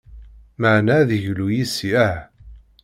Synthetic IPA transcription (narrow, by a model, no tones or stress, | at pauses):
məʕnæðəʝlujisiæ